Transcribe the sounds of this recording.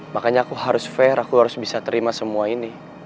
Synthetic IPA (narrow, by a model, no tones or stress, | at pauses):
makaɲaːkuɦaɾʊsfɛɾʔakuhɦaɾʊsbisat̪əɾimasəmuaini